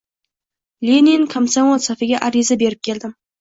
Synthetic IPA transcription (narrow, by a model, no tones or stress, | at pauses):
lʲeniŋkʰamsanolsafɪɡʲaʔaɾizabe̞ɾɪp̚kʲʰe̞ld̪ɪm